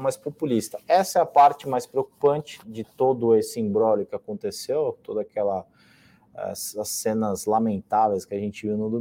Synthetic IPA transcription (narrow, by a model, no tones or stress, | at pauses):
majspopulist̪ɐɛsɐɛɐpaɾt͡ʃɪmajspɾeok̚u̥pɐ̃nt͡ʃɪ̥d͡ʒɪt̪od̪ʊesɪĩbɾɔlʊkɪakõnt̪esewt̪od̪akɛlɐ | ɛ̰sɐsẽnɐzlamẽnt̪avejskɪaʒẽnt͡ʃɪviwnʊd̪u